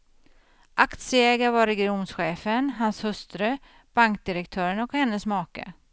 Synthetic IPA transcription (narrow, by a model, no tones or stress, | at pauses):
ʔakt̪sjəɛːɡavaɾɛɡɪumsɧeːfənɦanshɵst̪ɾə | b̥aŋk̚d̪ɪɾɛk̚t̪ʰœːɾənɔkhɛnːəsmɑːkə̰